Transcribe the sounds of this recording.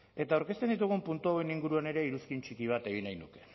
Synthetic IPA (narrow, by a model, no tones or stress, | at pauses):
e̞t̪auɾkest̪e̞nd̪it̪̬uɣ̞umpunt̪uawe̞niŋɡuɾuane̞ɾe̞iɾuskint͡ʃikiβ̞at̪e̞ɣ̞inajnuke̞